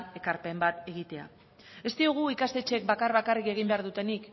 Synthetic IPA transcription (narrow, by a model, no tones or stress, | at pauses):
e̞kaɾpe̞mbat̪e̞ɣ̞it̪e̞a̰ | e̞st̪ioɣ̞uikast̪e̞t͡ʃek̚bakaɾβakarike̞ɣ̞imbe̞aɾðut̪e̞nik